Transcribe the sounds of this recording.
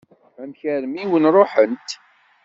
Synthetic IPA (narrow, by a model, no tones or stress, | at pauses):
æmçəɾmiwənrˤoħənt̪